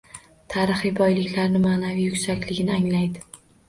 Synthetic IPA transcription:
t̪ʰaɾɨχɨjbɒjlɪkʲlaɾnɪmaːnavijʊkʲsakʲlɪɡʲɪnɪaŋlajd̪ɪ

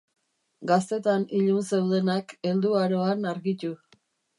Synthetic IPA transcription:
ɡast̪e̞t̪aniʎunsewð̞e̞nake̞ld̪uaɾoanaɾɣit̪u

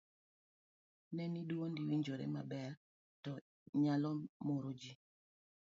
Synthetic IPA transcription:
nɛniduondiwiɲd͡ʒoɾḛmabɛr | tɔ | ɲalɔmoɾod͡ʒi

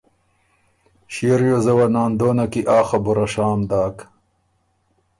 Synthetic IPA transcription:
ɕiɾjozɐwɐnaːnd̪oːnakiʔaːxɐbuɾɐʂaːmd̪aːk

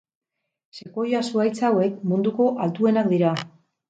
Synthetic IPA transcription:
se̞ko̞jasuajt͡sawe̞k̚mund̪uko̞ʔalt̪ue̞nakd̪iɾa

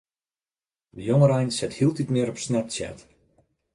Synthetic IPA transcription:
dəjoŋəɾɛjnsɪthilˠditmɪəɾɔpsnɛtsjɛ̰t

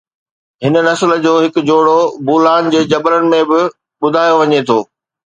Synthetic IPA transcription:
ɦɪnənɐslə̆d͡ʑoːɦɪkʊ̆d͡ʑoːɽobuːlaːnd͡ʑeːd͡ʑɐbɾənɪ̆mẽbɪ | ɓʊd̪ʱaːjoʋɐɲet̪ʰoː

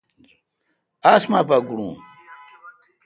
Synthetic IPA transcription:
asmapɐɡuɽṵ̃

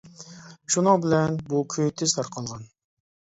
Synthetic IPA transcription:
ʃunɨŋbɪlɛnbukʲʰøjt̪ʰɪz̥t̪ʰɑɾqʰɑlˠʁɑn

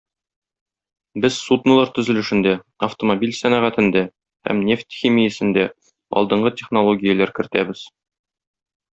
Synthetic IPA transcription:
bɘz̥sud̪nɤ̆lˠɑɾt̪ɵ̆zɘ̆lɘ̆ʃɘ̆nd̪æ | ɐft̪omobʲilʲsænæʁæt̪ɘ̆nd̪æ | hæ̰mnʲe̞ft̪ʲxʲimʲijɘ̆sɘ̆nd̪æ | ɒ̰lˠd̪ɤ̆ɴɢɤtʲeχnolˠoɡʲijəlæɾkɘ̆ɾt̪æbɘz̥

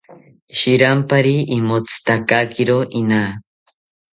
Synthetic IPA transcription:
ʃiɾampaɾiimot͡sʰɨ̥t̪akakiɾoʔina

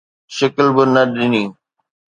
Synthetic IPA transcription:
ʃəklbɪnɐɗɪniː

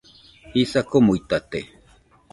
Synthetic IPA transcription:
hisakomujt̪at̪e

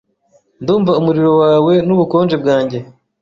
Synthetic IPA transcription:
nduːmvaumuɾiɾo̞waːwe̞nuβuko̞ːnd͡ʒe̞b̚ɡaːɲɟe̞

